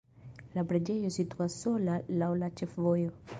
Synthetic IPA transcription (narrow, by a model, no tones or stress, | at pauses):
labɾad͡ʒejosit̪uasolalawlat͡ʃefvojo